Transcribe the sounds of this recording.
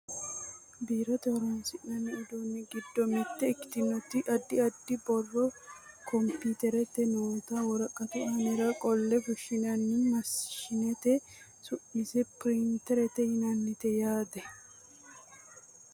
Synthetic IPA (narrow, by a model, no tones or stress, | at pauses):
biːɾɐt̪ɔɔɾɐnsɪʔɐnːɛʊd̪onːɪɡɪd̪ːɔmɪt̪ːɛɪkːɪ̥t̪ɪnʊt̪ːɪʔɐd̪ːɪɐd̪ːɪbɔrːɔkɔmpit̪ɛɾɛt̪ːɛnoːt̪ɐwɔɾɐkʼːɐt̪ɛʔɐnɛɾɐkʼɔlːɛfʊʃɪnɐnːɪmɐsʃɪnɛt̪ɛ | sʊʔisɛpɾɪnt̪ɛɾɛt̪ːɛhɪnɐnːɪt̪ɛjaːd̪ɛ